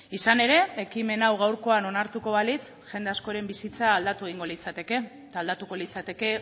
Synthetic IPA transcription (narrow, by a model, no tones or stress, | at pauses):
isane̞ɾe̞ekime̞nawɣawɾko̞ano̞naɾt̪uko̞βalit͡s | ʝe̞nd̪e̞asko̞ɾe̞mbisit͡saːld̪at̪ueɣ̞iŋɡo̞lit͡sat̪e̞ke̞ | t̪ald̪at̪uko̞lit͡sat̪e̞ke̞